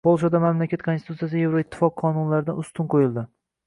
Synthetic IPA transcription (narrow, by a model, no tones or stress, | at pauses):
bɒlˠʃad̪amamlakʲʰat̪kʰosɪt̪ʰut̪sijasɪje̞vɾoɪt̪ʰːɪ̥fɒqʰːɒnʊnlaɾɪd̪anʊst̪ɪnqʰojɪlˠd̪ɪ